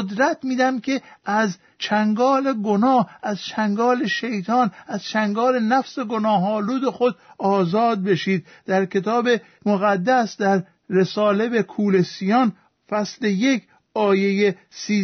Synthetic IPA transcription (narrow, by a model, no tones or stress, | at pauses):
od̪ɾæt̪miːd̪æmkʲʰe̞ʔæz | t͡ʃʰæŋɡɒːleɡonɒːhʔæzt͡ʃʰæŋɡɒːle̞ʃejt̪ʰɒːnæz̥t͡ʃʰæŋɡɒːlenæfse̞ɡonɒːɦɒːluːd̪exod̪̚ɒːzɒːd̪̚be̞ʃiːd̪̚ | d̪æɾkʰe̞t̪ʰɒːbe̞ | moɣæd̪ːæsd̪æɾː | e̞sɒːle̞bekʰuːle̞sijɒːn | fæsleje̞kʰ | ɒːje̞je | siː